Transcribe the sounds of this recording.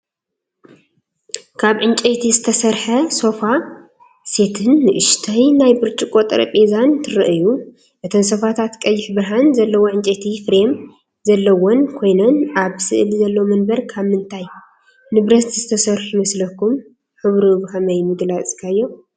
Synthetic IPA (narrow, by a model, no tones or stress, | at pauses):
kʰaβʕɨnt͡ʃʼet̪ʰizɨt̪ʰɐsɐɾħɐso̞fa | se̞t̪ʰɨnːɨʔɨʃt̪ʰɐjnajbɨɾt͡ʃʼɪkʼot̪ʼɐɾɐ̰pʼezant̪ʰɨɾɨʔɨju | ʔɨt̪ʰoms̬o̞fat̪ʰat̪kʼɐjːɪħbɾɐɦanzɐlːɐwoʕɨnt͡ʃʼet̪ʰifɾe̞m | zɐlːɐwonkʰo̞jnonaβsɨʔɨlzɐlːowmɐnbɐɾkʰaβmɨnt̪ʰaj | nɨβɾɐt̪z̥ɨt̪ʰɐsɐɾħumɐslɐkːum | ħɨβɾuβhɐmɐjmɨd̪lat͡sʼkʰajːo̞